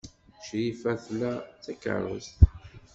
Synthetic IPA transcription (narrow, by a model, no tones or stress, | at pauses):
ʃjifæθlæt͡sːækːə̰ɾˤːə̰st̪